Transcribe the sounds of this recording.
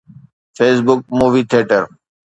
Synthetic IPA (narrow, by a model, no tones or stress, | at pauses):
feːs̬bʊk̚muːʋiːt̪ʰeːʈəɾ